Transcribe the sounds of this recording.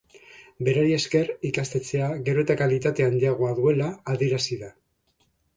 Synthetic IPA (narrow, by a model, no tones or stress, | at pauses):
be̞ɾaɾie̞ske̞rikast̪e̞t͡se̞aɣe̞ɾo̞et̪akalit̪at̪eand̪iaɣ̞o̞aðue̞laːðie̞ɾasiða